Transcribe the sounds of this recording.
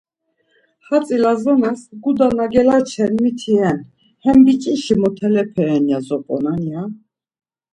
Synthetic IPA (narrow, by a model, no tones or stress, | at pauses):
χat͡sʼilazɔnɛsɡud̪anaɡɛlat͡ʃʰɛnmit̪ʰiɛn | hɛmbit͡ʃʼiʃimɔt̪ʰɛlɛpʰɛɾɛnjazɔpʼɔ̰nanja